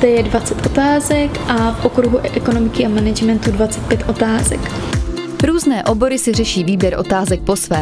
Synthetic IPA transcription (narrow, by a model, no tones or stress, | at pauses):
d̪ɛjɛdvat͡sɛt̪ʔot̪aːzɛkʔafʔokɾuɦuʔʔɛko̞no̞mɪkɪʔamɛnɛd͡ʒmɛnt̪udvat͡sɛt̪̚pjɛt̪ʔo̞t̪aːzɛ̰k | ɾuːznɛːʔo̞bo̞ɾɪsɪr̝ɛʃiːviːbjɛɾʔo̞t̪aːzɛk̚po̞svɛː